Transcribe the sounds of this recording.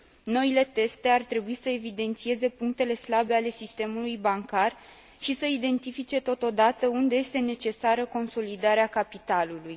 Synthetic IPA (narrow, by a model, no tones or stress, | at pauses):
no̞ile̞t̪e̞st̪e̞art̪ɾe̞buisəe̞vid̪e̞nt̪sie̞ze̞puŋk̚t̪e̞le̞slabe̞ale̞sist̪e̞mulujbaŋkar | ʃisəid̪e̞nt̪ifit͡ʃe̞t̪o̞t̪o̞d̪at̪əund̪e̞je̞st̪e̞ne̞t͡ʃe̞saɾəko̞nso̞lid̪aɾeakapit̪aluluj